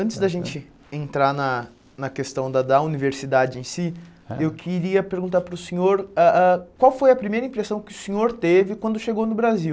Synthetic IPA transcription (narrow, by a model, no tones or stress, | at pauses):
ɐ̃nt͡ʃ̪ɪzd̪ɐʒẽnt͡ʃɪ | ẽnt̪ɾanɐ | nɐkest̪ɐ̃w̃d̪ɐd̪ɐuniveɾsid̪ad͡ʒɪẽsiewkʰiɾiɐpeɾɡũt̪aɾpɾʊsĩɲoɾaakwawfojɐpɾimejɾɐĩpɾesɐ̃w̃kɪʊsẽɲoɾt̪evɪkwɐ̃nd̪ʊʃeɡownʊbɾaziw